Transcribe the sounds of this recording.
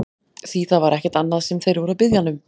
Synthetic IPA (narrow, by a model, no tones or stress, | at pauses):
θiθaðvaɾʔɛhcɛɾt̪anːaðsɛmθejɾvɔɾʏaðpɪðjanːʏm